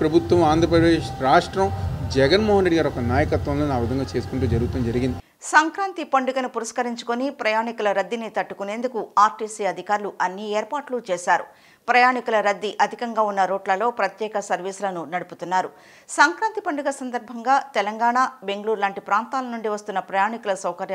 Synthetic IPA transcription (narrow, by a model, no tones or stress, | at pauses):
pɾɐbʱut̪wɐmaːnd̪ʱɾɐp̬ɾɐd̪eeːʃɾaːʂʈɾɐmd͡ʒɛɡɐnmɔːɦɐnɾe̞ɖiɡaːɾiɔkɐnaːjɐkɐt̪ʋɐ̃mloːnaːʋid̪ɐŋɡaːt͡ʃe̞ːsu̥kuɳʈuːd͡ʒɐɾuɡut̪uːnɐd͡ʒɐɾiɡind̪i | sɐŋkɾaːnt̪ipɐɳɖuɡɐnupuɾɐskɐɾiɲt͡ʃu̥konipɾɐjaːɳikulɐɾɐd̪ːinit̪ɐʈːukune̞ːnd̪ukuaːɾʈiːsiɐd̪ʱikaːɾuluʔɐnːieːɾpaːʈlut͡ʃɛːʃaːɾṵ | pɾɐjaːɳikulɐɾɐd̪ːiʔɐd̪ʱikɐŋɡaːunːɐɾoːʈlɐlo̞ːpɾɐt̪jɛːkɐsɐɾʋiːsulɐnunɐɽuput̪unːaːɾu | sɐŋkɾaːnt̪ipɐɳɖuɡɐsɐnd̪ɐɾbʱɐŋɡaːt̪ɛlɐŋɡaːɳabe̞ŋɡɐluːɾlaːɳʈipɾaːnt̪aːlɐnuɳɖiʋɐst̪unːɐpɾɐjaːɳikulɐsɐwkɐɾjɐ